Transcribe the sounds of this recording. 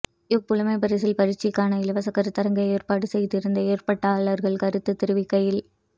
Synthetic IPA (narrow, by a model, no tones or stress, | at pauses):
jɪk̚pʊlʊmɐɪpɐɾɪsɪlpɐɾɪt͡ʃːɪkːaːnɐɪlɐʋɐsɐkːɐɾɯt̪ːɐɾɐŋɡɐeːrpaːɽɯsɛjðɪɾɯnd̪ɐeːrpɐʈːɐːɭɐɾɣɐɭkɐɾɯt̪ːɯt̪ːɪɾɯʋɪkːɐjɪl